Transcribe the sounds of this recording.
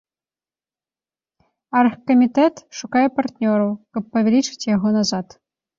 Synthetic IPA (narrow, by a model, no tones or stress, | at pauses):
ɑrxkːomʲit̪ɛt̪ʃukɑjpɐrtʲnʲoɾowkɤ̆pːoʋʲelʲit͡ʃɘ̥tʲjɑɣonɑzɑt̪